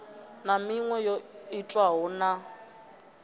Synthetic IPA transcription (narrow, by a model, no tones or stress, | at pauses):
namiŋwɛjɔitʼwaɦɔna